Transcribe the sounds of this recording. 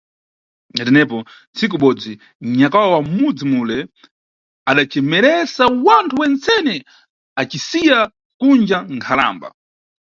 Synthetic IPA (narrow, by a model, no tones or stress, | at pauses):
natɛnɛpɔ | nt͡sik̬uɓɔd͡zi | ɲakawawamud͡zimulɛ | aɗat͡ʃɛmɛɾɛsawantʰuwɛnt͡sɛnɛ | at͡ʃisija | kund͡ʒaŋkʰala̰ːmba̰